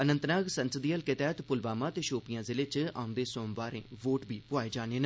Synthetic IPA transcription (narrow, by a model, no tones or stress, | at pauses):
ənə̃nt̪naːɡsənsəd̪iːəlkɪt̪ɛːt̪pʊlbaːmãːt̪eːʃoːpɪjãːzɪleːt͡ʃã̰ːʊ̃nd̪eːsõːmʋaːɾḛ̃ːʋoːʈbiːpʊaːeːd͡ʒaːnẽːnː